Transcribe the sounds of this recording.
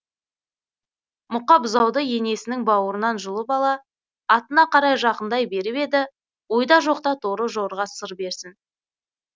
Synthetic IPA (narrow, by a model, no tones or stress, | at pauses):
mʊqɑpʊzɑwd̪əje̞ne̞sɪnɪŋbɑwəɾənɑnʒʊlˠəbɑlˠɑː | t̪ənɑqʰɑɾɑjʒɑqənd̪ɑjbe̞ɾɪpe̞d̪ɪ | wo̞jd̪ɑʒo̞qt̪ɑt̪ʰoɾəʒo̞ɾʁɑsəɾbe̞ɾsɪn